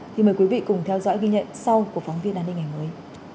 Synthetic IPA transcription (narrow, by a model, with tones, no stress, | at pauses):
t̪ʰi˨˩məː˨˩jkwi˨˦vḭ˧˨kʊ˨˩ŋ͡mt̪ʰɛ˧wzɔ̰˧˥jɣi˧ɲə̰˧˨nsa˧wku˧˩əfa˨˦wŋ͡mvi˧ənʔaː˧nːï˧ŋa˨˩jməː˨˦j